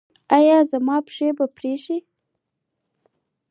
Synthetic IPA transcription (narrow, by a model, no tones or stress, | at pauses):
ajɑzamɑpʂebapɾeʃi